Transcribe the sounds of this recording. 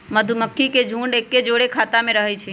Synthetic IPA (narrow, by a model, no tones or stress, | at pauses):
məd̪ʱuməkʰːiked͡ʒʱũːɳɖekːed͡ʒoɽekʰaːt̪amẽɾəɦɛt͡ʃʰi